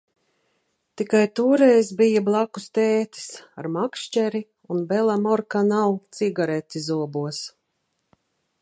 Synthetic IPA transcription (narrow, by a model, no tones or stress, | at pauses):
t̪ikajt̪uːɾɛjzbijablˠakust̪ɛːt̪i̥sa̰ɾmakʃt͡ʃɛɾi | unbɛlˠamɔɾkanawt̪siɡaɾɛt̪ʲizuɔbuɔs